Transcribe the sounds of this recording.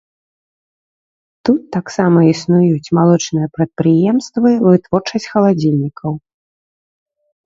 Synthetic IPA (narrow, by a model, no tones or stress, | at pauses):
t̪ut̪ːaksamɐisnujut͡sʲmalˠɔt͡ʂnɨjɐpɾɐt̪̚pɾɨjɛmst̪vɨvɨt̪vɔrt͡ʂɐsʲt͡sʲxɐlˠad͡zʲilʲnʲikʰɐw